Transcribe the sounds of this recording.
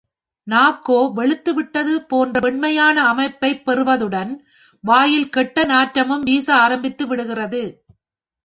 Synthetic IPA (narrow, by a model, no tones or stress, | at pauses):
naːkːoːʋɛɭɯt̪ːɯʋɪʈːɐðɯpoːndrɐpɛɳmɐjaːnɐːmɐɪpːɐɪpːɛɾɯʋɐðɯɽɐn | ʋaːjɪlkɛʈːɐnaːʈɾɐmɯmʋiːsɐaːɾɐmbɪt̪ːɯʋɪɽɯɣɪrɐðɯ